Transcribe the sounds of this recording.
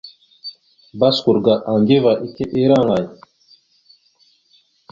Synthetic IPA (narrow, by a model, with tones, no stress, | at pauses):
ba˦sku˨ɾɡa˨ʔa˨ŋɡe˦va˨ʔi˦ke˦ʔe˦ɾa˦˨ŋa˨j